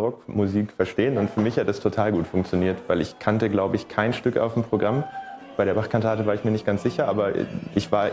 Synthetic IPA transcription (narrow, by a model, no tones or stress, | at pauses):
ʁɔkmuziːkfɛɐʃteːənʊntfyːɐmɪçhatəd̥astʰotʰaːlɡuːtfʊŋk̚t͡sjoniːɐtv̥aɪlɪçkʰantəɡlaʊbəɪçkʰaɪnʃtʏka̰ʊfmpʁ̥oɡʁambaɪɾeːɐbaχkʰantʰaːtəvaːɐɪçmiːɐnɪçt̚ɡ̥ant͡sz̥ɪçɐʔaːbɐʔɪçv̥aːɐ